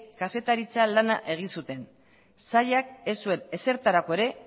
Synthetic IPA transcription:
kase̞t̪aɾit͡salana̰ʔe̞ɣ̞insut̪e̞n | saʎak̚e̞sue̞ne̞se̞ɾt̪aɾako̞e̞ɾe̞

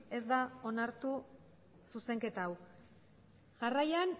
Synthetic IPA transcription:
e̞zd̪ao̞naɾt̪u | suse̞ŋke̞t̪aw | ʝarajan

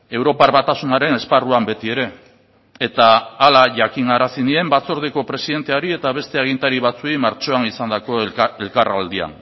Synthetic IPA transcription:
e̞wɾo̞paɾβat̪asunaɾe̞ne̞sparuambe̞t̪ie̞ɾe̞ː | t̪aːlaʝakiŋɡaɾasinie̞mbat͡so̞ɾðeko̞pɾe̞siðe̞nt̪e̞aɾie̞t̪aβ̞e̞st̪e̞aɣ̞int̪aɾiβat͡suimaɾt͡ʃo̞anisand̪ako̞e̞lkara̰ld̪ia̰n

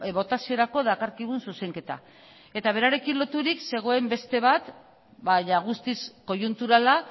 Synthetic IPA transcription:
βo̞t̪asio̞ɾako̞ðakaɾkiβ̞unsuse̞ŋke̞t̪a̰ | e̞t̪aβ̞e̞ɾaɾe̞kinlo̞t̪uɾikse̞ɣ̞o̞e̞mbe̞st̪e̞β̞at̪ | baɲaɣ̞ust̪isko̞junt̪uɾala

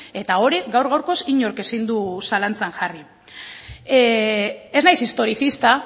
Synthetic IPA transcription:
e̞t̪ao̞ɾiɣawɾɣawɾko̞siɲo̞ɾke̞sind̪usalant͡sanʝari | e̞znajsist̪o̞ɾiθist̪a

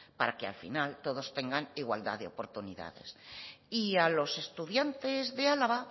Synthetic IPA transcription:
paɾakea̰lfḭnalt̪o̞ð̞o̞st̪eŋɡaniɣwa̰ld̪a̰ðeopo̞ɾt̪uniða̰ðe̞̰s | ialo̞se̞st̪uðjant̪e̞zðe̞alaβa

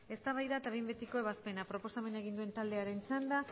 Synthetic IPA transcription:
e̞st̪aβ̞ajðat̪aβembe̞t̪iko̞e̞β̞aspe̞napɾo̞po̞same̞naeɣ̞ind̪ue̞nt̪ald̪e̞aɾe̞nt͡ʃand̪a

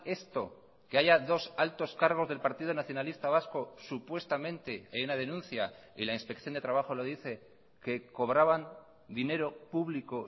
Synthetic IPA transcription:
e̞st̪o̞ | ke̞aʝaðo̞salt̪o̞skaɾɣ̞o̞zð̞e̞lpaɾt̪ið̞onaθjo̞nalist̪aβ̞asko̞supwe̞st̪amẽ̞nt̪e̞ajunað̞e̞nũnθjailainspe̞kθjond̪e̞t̪ɾaβaxo̞lo̞ðiθe̞ | ke̞ko̞βɾaβan | d̪ine̞ɾo̞puβliko̞

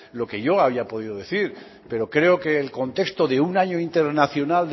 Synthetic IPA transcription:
lo̞ke̞ʝo̞aβ̞iapo̞ðiðo̞ðe̞θiɾ | pe̞ɾo̞kɾe̞oke̞ːlko̞nt̪e̞kst̪o̞ðeunaɲo̞int̪e̞ɾnaθjo̞nald̪

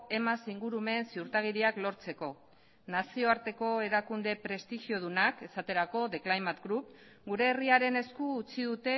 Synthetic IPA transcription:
e̞masiŋɡuɾume̞ːnsiuɾt̪aɣ̞iɾiaklo̞ɾt͡se̞ko̞ | nasio̞aɾt̪e̞ko̞e̞ɾakund̪e̞pɾe̞st̪iʝio̞ð̞unake̞sat̪e̞ɾako̞ðe̞klajmat̪ɡɾup | ɡuɾe̞ːriaɾe̞ne̞skuːt͡siðut̪e̞

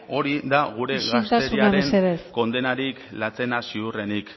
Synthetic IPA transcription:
o̞ɾid̪aɣ̞uɾe̞ɣast̪aseɾuiaaɾeenseðesko̞nd̪e̞naɾiklat͡se̞nasiure̞nik

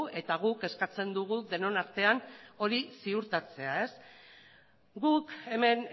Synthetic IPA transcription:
e̞t̪aɣ̞uke̞skat͡se̞nd̪uɣ̞uðe̞no̞naɾt̪e̞ano̞ɾisiuɾt̪at͡se̞ae̞s | ɡuke̞me̞n

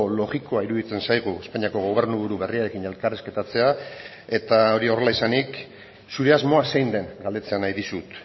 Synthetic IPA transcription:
lo̞ɣiko̞aiɾuðit͡se̞nsajɣ̞ue̞spaɲiako̞ɣ̞o̞β̞e̞rnuβuɾuβe̞riaɾe̞kine̞lkareske̞t̪at͡se̞a | e̞t̪ao̞ɾio̞relaisanik | suɾe̞azmo̞ase̞jnd̪e̞ŋɡald̪e̞t͡se̞anajðisut̪

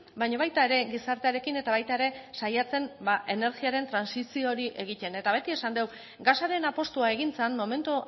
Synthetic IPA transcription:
bajɲaβajt̪ae̞ɾe̞ɣisaɾt̪e̞aɾe̞kine̞t̪aβajt̪ae̞ɾe̞sajat͡se̞mbaʔe̞ne̞ɾɣiaɾe̞nt̪ɾansisio̞ɾiʔe̞ɣ̞it̪e̞ne̞t̪aβe̞t̪ie̞sand̪e̞w | ɡasaɾe̞napo̞st̪uae̞ɣ̞int͡senmo̞me̞nt̪u

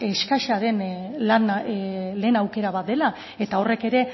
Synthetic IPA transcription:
eskaʃaðe̞nlanle̞ːnawke̞ɾaβ̞at̪̚d̪e̞la | e̞t̪ao̞re̞ke̞ɾe̞

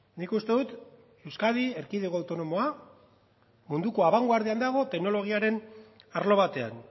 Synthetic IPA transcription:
nikust̪e̞ðut̪ | e̞wskaðieɾkiðeɣoawt̪o̞no̞mo̞a | mund̪uko̞aβaŋɡoaɾð̞iand̪aɣ̞o̞t̪e̞ɡno̞lo̞ɣ̞iaɾe̞naɾlo̞βat̪e̞a̰n

